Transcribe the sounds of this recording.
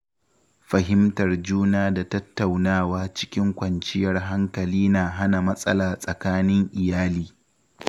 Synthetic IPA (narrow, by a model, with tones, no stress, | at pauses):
ɸɐ˨ɦɪ˦mtɐ˨rd͡ʒuː˦naː˦da˨tɐ˦tːa˨wnaː˦˨waː˦t͡ʃɪ̥˦kʲɪ˦ŋkʷɐ˨nt͡ʃɪ˦jɐ˦rɦa˦ŋkɐ˨liː˦naː˨ɦa˦na˨mɐ˦sʼɐ̰˦laː˨sʼɐ˨kaː˦nɪ˦ŋʔɪ˨jaː˦liː˦